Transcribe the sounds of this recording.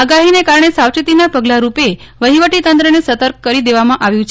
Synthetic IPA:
aɡaɦinekaɾɳesawt͡ʃit̪inapəɡlaɾupe | ʋəɦiʋəʈit̪ə̃nt̪ɾənesət̪əɾk̚kəɾid̪eʋamãʔaʋjũt͡ʃʰ

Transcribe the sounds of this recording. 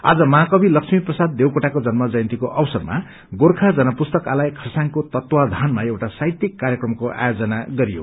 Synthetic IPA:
a̰d͡zʌmaɦakʌbʱilʌksʰmiprʌsad̪̚ːewkoʈakod͡zʌnmʌd͡zʌjʌ̃nt̪ikoʔʌwsʌrma̰ | ɡorkʰad͡zʌnʌpust̪ʌkalajkʰʌsaŋkot̪ʌt̪wad̪ʱanmaewʈasajt̪ikːaɾjʌkrʌmkoʔa̰jod͡zʌnaɡʌɾijo̰

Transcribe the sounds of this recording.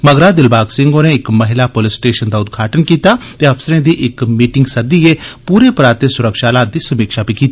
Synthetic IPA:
məɡɾaːd̪ɪlbaːɡsɪŋɡoːneːɪkməɦɪlaːpolɪsʈeːʃənd̪aːʊd̪ɡʱaːʈənkiːt̪aːt̪eəfsəɾẽːd̪iːʔɪkmiːʈɪŋɡsəd̪iepuːɾeːpɾaːt̪ːeːsʊɾəkʃaːlaːt̪̚d̪iːsəmiːkʃaːbiːkiːt̪iː

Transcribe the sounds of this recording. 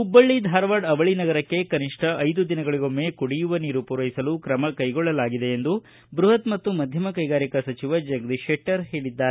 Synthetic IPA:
ubːɐɭːid̪ʱaːɾɐʋaːɖɐʋɐɭinɐɡɐɾɐkːe̞kɐniʂʈʰɐʔɐjd̪ud̪inɐɡɐɭiɡo̞mːekuɽijuʋɐniːɾupuːɾɐɦisɐlukɾɐmɐkɐjɡɔɭːɐlaːɡid̪e̞end̪u | bɾuɦɐt̪mɐt̪ːumɐd̪ʱjɐmɐkɐjɡaːɾikɐsɐt͡ʃiʋɐd͡ʒɐɡd̪iʃeʈːɐɾɦeːɭid̪ːaːɾe

